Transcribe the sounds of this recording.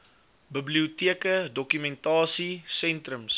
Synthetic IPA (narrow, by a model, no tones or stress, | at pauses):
bəbliutiəkədɔkymɛntɑːsisɛntrəms